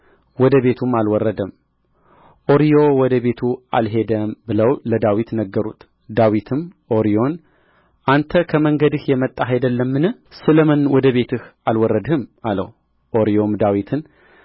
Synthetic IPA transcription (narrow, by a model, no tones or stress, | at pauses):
wɔd̪əβe̞t̪ʰumalwɔrːəd̪əm | ʔo̞ɾijo̞wɔd̪əβe̞t̪ʰua̰lɦe̞d̪əmbɨləwləd̪awit̪nəɡːəɾṵt̪ʰ | d̪awit̪ʰɨmʔo̞ɾijo̞n | ʔant̪ʰəkʰəməŋɡəd̪ɨhjɛmət̪ʼːaɦajd̪əlːəmːɨnɨ | sɨləmənwɔd̪əβe̞t̪ʰɨhalwɔrːəd̪hɨmalə̰h | ʔoɾijo̞md̪awit̪ʰɨn